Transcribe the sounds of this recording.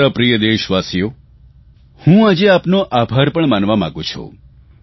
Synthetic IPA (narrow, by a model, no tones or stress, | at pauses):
apɾijəd̪eʃʋasijo | hũad͡ʒeapnoʔabʱaɾpəɳmanʋamã̰ɡũt͡ʃʰṵ̃